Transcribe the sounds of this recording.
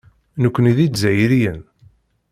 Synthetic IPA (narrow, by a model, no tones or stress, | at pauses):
nəkʷːəniðid̪zæjɾijən